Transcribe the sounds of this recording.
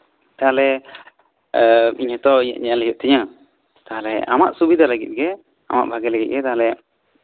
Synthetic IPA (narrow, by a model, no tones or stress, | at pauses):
t̪aɦalɛ | iɲhɛt̪ɔiɲa̰ʔɲaalijuʔ̚t̪ɛɲã | t̪aɦalɛʔama̰ʔsubid̪ʱaləɡḭt̪̚ɡɛ | ama̰ʔbʱaɡɛlaɡit̪̚ɡɛt̪aɦalɛ